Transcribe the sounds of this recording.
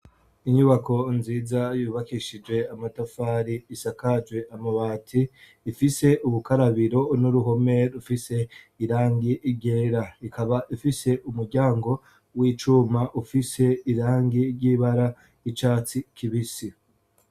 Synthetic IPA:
iɲuβako̞nziːzajuːβakiʃid͡ʒwe̞amatafaɾiːsakad͡ʒwe̞amaβaːtʰiː | fise̞ʔuβukaɾaβiɾo̞nuɾuɦo̞me̞ɾufise̞ | iɾaːŋɡiʔːɾɟe̞ːɾaikʰaβaʔifise̞ʔumuɾɟaːŋɡo̞ | wiːt͡ʃumaʔufise̞iɾaːŋɡiɾɟiːβaɾa | it͡ʃaːt͡sikʰiβisi

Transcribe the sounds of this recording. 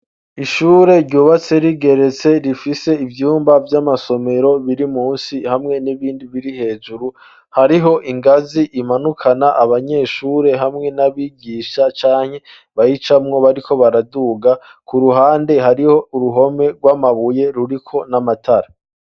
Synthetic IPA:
iʃuːɾe̞ɾɟuːβat͡se̞ɾiɡe̞ɾe̞t͡se̞ɾifise̞ivjuːmbavjamaso̞me̞ɾo̞βiɾimuːnsihamŋe̞niβiːndiβiɾihe̞ːd͡ʒuɾu | haɾiɦo̞ʔiŋɡaziʔimanukʰanaʔaβaɲe̞ːʃuːɾe̞ɦamŋe̞naβiɡiːʃat͡ʃaːɲ̥he̞ | βajit͡ʃamŋo̞βaɾikʰo̞βaɾaduɡa | kuɾuɦaːnde̞ɦaɾiho̞uɾuɦo̞me̞ɾɡwaːmaβuje̞ɾuɾikʰo̞namatʰaɾa

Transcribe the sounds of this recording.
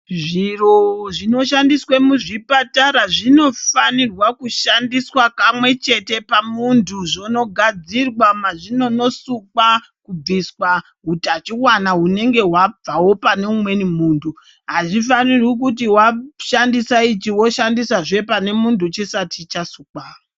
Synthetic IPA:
ʐiroʐino̞ʃandiswe̞muʐipataɾaʐino̞fanirwakuʃandiswakamwe̞t͡ʃe̞te̞pamuntʰuʐono̞ɡʱad͡zirwamaʐino̞no̞suka | kub͡viswa | ɦutat͡ʃiwanaɦune̞ŋɡe̞ɦwab͡vawo̞pane̞umwe̞nimuːntʰu | ɦaʐifanirwik̬utiwaʃandisait͡ʃiwo̞ʃandisaʐe̞pane̞muntʰut͡ʃisatʰit͡ʃasukaːro

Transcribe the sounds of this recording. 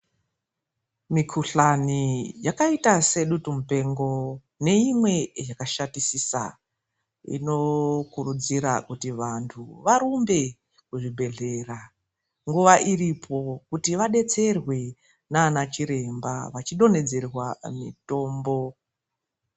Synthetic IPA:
mikʰuɬanijakaitase̞ɗutumupe̞ŋɡo̞ | ne̞imwe̞jakaʃatisisa̰ | ḭno̞kuɾud͡ziɾa̰kutiʋantʰṵʋaɾumbe̞ | kuʐibʱe̞ɮe̞ra | ŋɡuʋaʔiripʰo̞kutiʋaɗe̞t͡se̞rwe̞ | naːnat͡ʃiɾe̞mba̰ʋat͡ʃiɗo̞ne̞d͡ze̞rwamḭto̞ːmbo̞

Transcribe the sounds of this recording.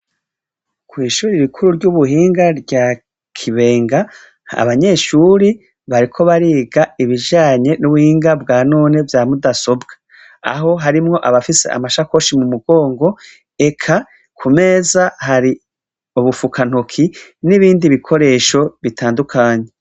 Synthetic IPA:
kwiːʃuːɾiɾukʰuɾuɾɟuβuɦiːŋɡaɾɟa | kʰiβe̞ːŋɡa | a̰βaɲe̞ːʃuːɾi | βaɾikʰo̞βaɾiːɡaiβiʒaːɲe̞nuβuhiːŋɡabɡaːno̞ːne̞vjaːmudaso̞bɡḁ | a̰ɦo̞ɦaɾimŋo̞ʔaβafise̞̰ʔa̰maʃako̞ʃimumuɡo̞ːŋɡo̞ | e̞kʰa | kʰume̞zahaɾi | uβufukan̥okʰiniβiːndiβikʰo̞ɾe̞ːʃo̞βitʰaːndukʰaːɲe

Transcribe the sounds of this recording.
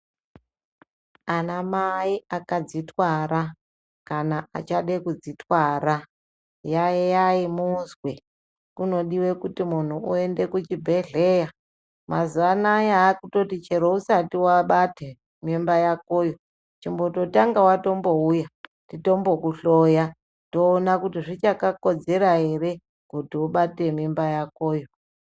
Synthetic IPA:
anamaiakad͡zitwaɾa | kanaa̰t͡ʃaɗekud͡zitwaɾa | jajejaimunzwe | kuno̞ɗiwekutimun̤uuende̞kut͡ʃibʱe̞ɮe̞ːja | mazuanajaːkuto̞tit͡ʃeɾousatiwaɓate | mimbajako̞ːjo | t͡ʃimboto̞taŋɡawato̞mbo̞uja | tito̞mbo̞kuɬoja | to̞ːnakutiʐit͡ʃakako̞d͡ze̞ɾaɦe̞re̞ | kutioɓate̞mimbajakoːjo

